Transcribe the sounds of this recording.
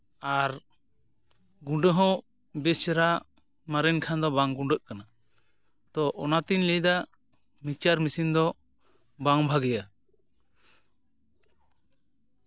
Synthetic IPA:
aɾ | ɡuɖəɦɔ̃ | bɛst͡ʃɛɾa | maɾɛnkʰand̪ɔbaŋɡuɳɖəʔkana | t̪ɔʔɔnat̪inlɛjd̪a | mit͡ʃaɾmisind̪ɔ | baŋbʱaɡɛja

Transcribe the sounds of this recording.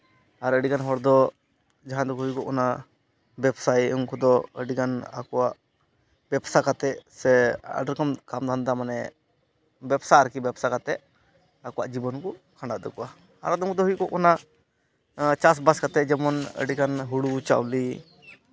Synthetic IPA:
aɾəɖikanɦɔɽd̪ɔ | d͡ʒaɦãd̪ɔkɦujkɔʔkɔna | bɛbsajuŋkɔd̪ɔəɖikana̰kɔwaʔ | bɛbsakat̪ɛʔsɛa̰ɖəɾkamkamd̪ʱand̪amanɛ̰ | bɛbsaaɾkibɛbsakat̪ɛʔ | akuwa̰ʔd͡ʒibɔnkɔ | kʰãɳɖaʔd̪ɔkɔʔa | a̰ɾad̪ɔmkɔd̪ɔɦujkɔʔkɔna | t͡ʃas̬baskat̪ɛʔd͡ʒɛmɔnə̰ɖikanɦuɽut͡ʃa̰wli

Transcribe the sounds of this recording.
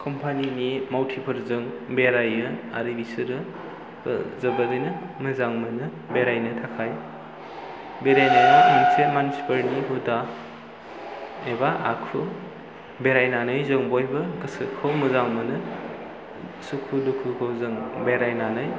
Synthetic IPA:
kʰɔmpʰaninimawtʰipʰɐɾzɯŋbeɾajɯa̰ɾibisɯɾɯ̰ | zɐbɐdɯjnɯmɐzaŋmɐnɯ | beɾajnɯtʰakʰaj | beɾajnajnitʰeŋsemanisipɐɾniɦuda | ebaʔakʰu | beɾajnanɯjzɐŋboebaɡɯsɯkʰɐwmɐzaŋmɐnɯ | sukʰudukʰukʰɯwzɯŋbeɾajnanɯj

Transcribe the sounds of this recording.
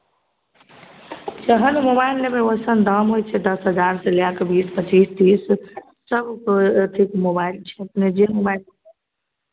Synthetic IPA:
d͡ʒəɦənmobaɪlːemeosənd̪əmɦojt͡ʃʰɛd̪əsɦəd͡ʒaɾsẽljakbispət͡ʃist̪is | səbʱkət̪ʰikmobailt͡ʃʰɛpned͡ʒemobajl

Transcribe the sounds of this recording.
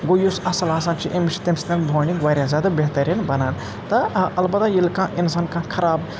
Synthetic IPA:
ɡojusɐsɐlaːs̬aːnt͡ʃʰiʔemt͡ʃʰi̥t̪ɐmst̪ɐnbʱoːnikʋaːɾʲjazjaːd̪abeɦt̪ɐɾinbɐnaːn | t̪ɐʔɐlbɐt̪ajilkãːʔinsaːnkãːkʰɐɾaːb

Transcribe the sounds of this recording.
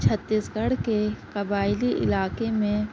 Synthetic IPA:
t͡ʃʰət̪ːisɡɐɽkekɐbaːɪliʔɪ̰laːkemẽ

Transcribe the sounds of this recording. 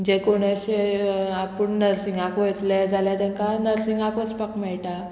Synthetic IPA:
d͡ʑekoɽ̃aɕeapəɳnəɾsiŋɡakʋət̪led͡zʱaljat̪ɛnkanəɾsiŋɡakʋəspakmɛɭʈa

